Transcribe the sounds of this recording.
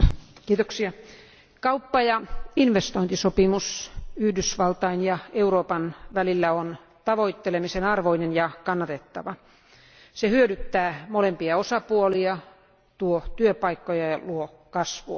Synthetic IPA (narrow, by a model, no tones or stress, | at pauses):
kiːt̪oksiɑ | kɑupːɑjɑinʋest̪oint̪isopimusyhdysʋɑlt̪ɑinjɑeuroːpɑnʋælilːæon | t̪ɑʋoit̪ːelemisenɑrʋoinenjɑkɑnːɑt̪et̪ːɑ̰ʋɑ | sehyødyt̪ːæːmolempiɑosɑpuoliɑ | t̪uot̪yøpɑikːojɑjɑluo | kɑsʋuɑ